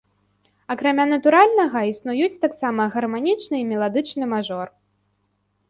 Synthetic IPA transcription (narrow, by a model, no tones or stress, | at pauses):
akɾamʲanɐt̪uɾalʲnɐɣɐisnujut͡sʲt̪aksamɐɣɐrmanʲit͡ʂnɨimʲɛlˠad̪ɨt͡ʂnɨmaʐɔr